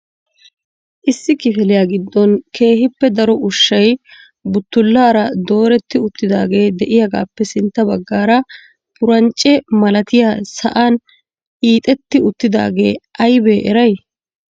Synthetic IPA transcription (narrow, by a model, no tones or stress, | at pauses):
ʔɪsːɪkɪfɪlɪjaːɡɪd̪ːɔnkʰe̞ːhɪpːɛd̪ɐɾɔʊʃːɐj | bʊt̪ːʊlːaːɾɐd̪o̞ːɾɛt̪ːɪʊt̪ːɪd̪a̰ːɡe̞ːd̪ɛʔɪjɐɡa̰ːpːɛsɪnt̪ːɐbɐɡːaːɾɐ | pʊɾɐnt͡ʃʼːɛmɐlɐt̪ɪjasɐ̰ʔaːn | hiːt̪ʼɛt̪ːɪʊt̪ːɪd̪a̰ːɡe̞̰ːʔɐjbe̞ːʔɛɾɐj